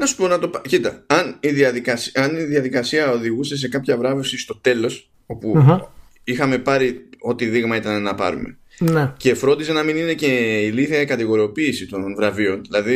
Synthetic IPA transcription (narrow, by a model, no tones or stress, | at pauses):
nɐsu̥po̞nɐt̪o̞pɐcit̪ɐɐniðiɐðikɐsɐniðiɐðikɐsiɐo̞ðiɣuse̞s̬e̞kɐpçɐvɾɐvusist̪o̞t̪e̞lo̞s | o̞puɦ | ixɐme̞pɐɾio̞t̪iðiɣmɐit̪ɐnenɐpɐ̰ɾṵme̞̰ | nece̞fɾo̞nd̪is̬e̞nɐminine̞ce̞iliθiɐikɐt̪iɣo̞ɾio̞piːsit̪o̞nvɾɐvio̞nðilɐði